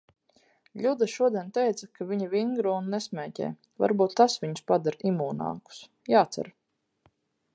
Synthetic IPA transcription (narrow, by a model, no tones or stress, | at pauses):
ʎʲud̪aʃuɔd̪iɛnt̪ɛjt̪sɐkʰaviɲivʲiŋɡɾuunːɛsmʲɛːcɛ̰ː | va̰ɾbuːt̪ːasvʲiɲuspad̪aɾimuːna̰ːku̥s | jaːt̪sa̰ɾ